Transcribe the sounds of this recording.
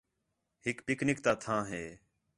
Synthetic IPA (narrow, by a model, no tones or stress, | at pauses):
hɪkpɪknɪkt̪aːt̪ʰãːɦeː